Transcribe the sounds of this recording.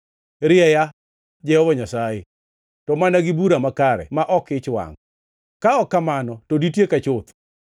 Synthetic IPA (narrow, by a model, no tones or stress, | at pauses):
ɾɪɛja | d͡ʒɛhɔbɔɲasaje | tɔmanaɡibuɾamakaɾɛ̰maʔɔkɪt͡ʃwa̰ŋ | kaɔkːamanɔtoditjekat͡ʃʊt̪